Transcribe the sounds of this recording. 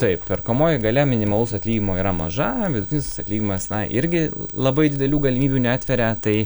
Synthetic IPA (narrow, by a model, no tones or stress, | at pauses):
t̪ɐɪppʲɛrkomoːjɪɡɐlʲɛmʲɪnʲɪmɐlˠʊsɐt̪ʲlʲiːɡʲɪmoːiːɾɐmɐ̰ʒɐʋʲɪd̪ʊtʲɪnʲɪssɐt̪ʲlʲiːɡʲimɐst̪ʲnɐɪʔɪɾʲɡʲɪlˠɐbɐɪd̪ʲɪd̪ʲɛlʲuːɡɐlʲɪmʲiːbʲuːnʲæaːt̪ʲʋʲɛɾʲɛt̪ɐɪ